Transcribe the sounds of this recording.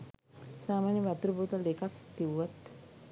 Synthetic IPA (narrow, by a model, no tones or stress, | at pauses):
saːmaːnjɐʋat̪ɾubʱuːt̪alekakt̪iʋʋat̪